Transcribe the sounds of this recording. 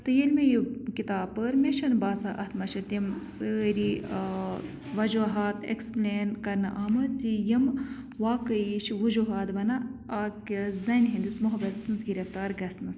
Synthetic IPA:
t̪ɨjilʲmejikit̪aːb̚pːəɾmʲeʃɐnbaːsaʔɐt̪ʰmɐt͡ʃʰɐt̪imsəːɾi | ʋɐd͡ʒuɦaːt̪ḛksplʲeːnkɐɾnɨʔaːmɐzijim | ʋaːkəiʃʋud͡ʒuɦaːd̪bɐnɐaːkizɐnɦind̪ɨsmuɦɐbɐt̪snzɡiɾɐft̪aːɾɡɐsnɐs

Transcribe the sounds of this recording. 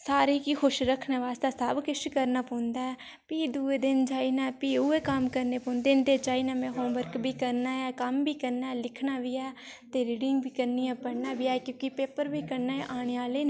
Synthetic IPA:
saːɾeːkixʰʊʃɾəkʰnaːʋaːst̪aːsəbkɪʃkəɾnaːpõːnd̪aːɛː | piːd̪uːeːd̪ɪnd͡ʒaːiːnaːpiːuːeːkəmkəɾneːpɔ̃ːnd̪eːnt̪eːt͡ʃaːiːnãːmɛ̃ːɦoːmbəɾkbʱiːkəɾnaːɛːkəmbiːkəɾnaːɛːlɪkʰnaːʋiːɛːt̪eːɾiːɖɪŋɡbiːkəɾniːɛ̃ːpəɾnaːbiːɛkjõːkipeːpəɾbʱiːkəɾnaːeʔaːɽ̃eːaːleːnː

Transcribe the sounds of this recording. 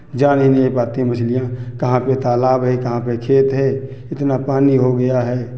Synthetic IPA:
d͡ʒaːnɦinepaːt̪ĩmɐt͡ʃʰlɪjãkɐɦãpet̪aːlaːbɦɛkɐɦãpekʰeːt̪ɦɛː | ɪt̪napaːniɦoɡɐjaɦɛː

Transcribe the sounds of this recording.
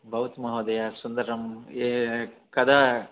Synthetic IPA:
bʱɐʋɐt̪mɐɦɐːd̪ɐjaːsund̪ɐɾɐmekɐd̪aː

